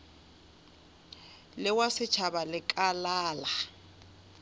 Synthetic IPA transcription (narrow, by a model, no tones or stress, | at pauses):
lɪwasɪt͡ʃʰabalɪkʼalaːla